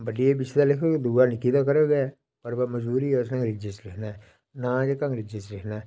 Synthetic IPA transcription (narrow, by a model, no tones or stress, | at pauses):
bəɖieːbɪt͡ʃːd̪aːlɪkʰokd̪uaːnɪkːiːd̪aːkəɾəɡeɛ | pəɾbaməd͡ʒbuːɾiːɛːʊsnãːŋɡɾɪd͡ʒet͡ʃlɪkʰnaɛ | nãːd͡ʒekãŋɡɾɪd͡ʒet͡ʃlɪkʰnaːɛ